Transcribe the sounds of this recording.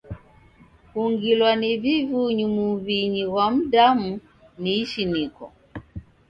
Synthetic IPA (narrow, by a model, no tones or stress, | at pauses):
kuŋɡilwanivivuɲumuβiɲiɣwam̩damu | niːʃinikɔ̰